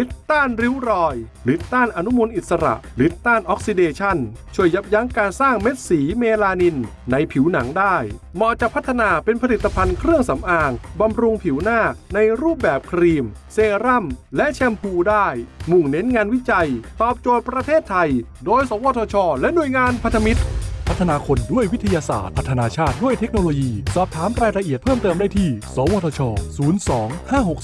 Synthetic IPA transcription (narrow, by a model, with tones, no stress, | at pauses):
li˦˥t̪̚t̪ːaː˥˩nɾi˦˥wɾɔː˧j | li˦˥t̪̚t̪ːaː˥˩nʔa˧nu˦˥mu˧nʔi˨˩t̪̚sa˧ɾa̰˨˩ʔli˦˥t̪̚t̪aː˥˩nʔɔː˦˥k̚si˧deː˧t͡ɕʰa˥˩nt͡ɕʰu˥˩əjːa˦˥p̚ja˦˥ŋkaː˧nsaː˥˩ŋme˦˥t̪̚siː˩˦meː˧laː˧ni˧nna˧jpʰi˨˩˦wna˩˦ŋdaː˥˩jmɔ˧˩t͡ɕa˨˩pʰːt̪ʰːa˧naː˧pe˧npʰa˧li˨˩t̪ːa˧pʰa˧nkʰɾɯ˥˩əŋsa˩˦mʔaː˧ŋba˧mɾu˧ŋpʰi˩˦wnaː˥˩na˧jɾuː˥˩p̚bɛː˨˩p̚kʰɾiː˧mseː˧ɾa˥˩mlɛ˦˥ʔt͡ɕʰɛ˧mpʰuː˧daː˥˩jmu˨˩ŋne˦˥nŋaː˧nwi˦˥t͡ɕa˧jt̪ɔː˨˩p̚t͡ɕo˨˩ət̪̚pɾa˧t̪ʰeː˥˩t̪ʰːa˧j | doː˧jsɔː˩˦wɔː˧t̪ʰɔː˧t͡ɕʰɔː˧lɛ˦˥nu˨˩əjŋaː˧npʰa˧˥nt̪ʰa˧mi˦˥t̪̚pʰa˦˥t̪ʰːa˧naː˧kʰo˧ndu˥˩əjwi˦˥t̪ʰa˧jaː˧sa̰ː˨˩t̪̚pʰa˦˥t̪ʰːa˧naː˧t͡ɕʰaː˥˩t̪̚du˥˩əjt̪ʰe˦˥k̚noː˧loː˧jiː˧sɔː˨˩p̚t̪ʰaː˩˦mɾaː˧jɾa˧ʔi˨˩ət̪̚pʰɤː˥˩mt̪ɤː˧mdaː˥˩jt̪ʰiː˥˩sɔː˩˦wɔː˧t̪ʰɔː˧t͡ɕʰɔː˧suː˩˦nsɔː˩˦ŋhaː˥˩ɦo˨˩k̚